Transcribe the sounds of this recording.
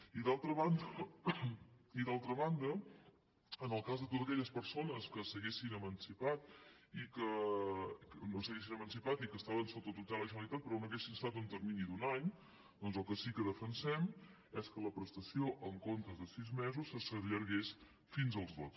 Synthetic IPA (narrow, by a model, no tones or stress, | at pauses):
iðalˠt̪ɾəβand̪ə | iðalˠt̪ɾəβand̪ə | ənəlˠkazðət̪ot̪əkɛʎəspəɾsonəskəsəɣesinəmənsipat̪ikə | ənosəɣesinəmənsipat̪ikəst̪aβənsot̪ət̪ut̪aləʒənəlit̪at̪̚pəɾɔnoəɣesinəst̪at̪unt̪əɾminid̪unaɲ | d̪ɔnzəlˠkəsikəðəfənsɛm | ɛskələpɾəst̪əsioʔəŋkont̪ɾəzðəsizmɛzusəsəʎəɾɣes | finzəlˠzðo